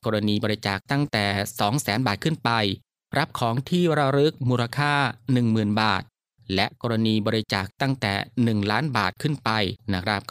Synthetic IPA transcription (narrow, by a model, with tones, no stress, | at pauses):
kɔː˧ɾa˧niː˧bɔː˧ɾi˧˦˥t͡ɕaː˨˩k̚t̪a˥˩ŋt̪ɛː˨˩sɔː˩˦ŋsɛː˩˦nbaː˨˩t̪̚kʰɯ˥˩npa˧j | ɾʔa˦˥p̚kʰɔː˩˦ŋt̪ʰiː˥˩ɾa˧˩ɾɯ˦˥k̚muː˧ɾa˧kʰaː˥˩nɯ˨˩ŋmɯː˨˩nba̰ː˨˩t̪̚ | lɛ˦˥ʔkɔː˧ɾa˧niː˧bɔː˧ɾi˦˥t͡ɕaː˨˩k̚t̪a˥˩ŋt̪ɛ̰ː˨˩nɯ˨˩ŋlaː˦˥nba̰ː˨˩t̪̚kʰɯ˥˩npa˧jna˦˥kʰɾa˦˥p̚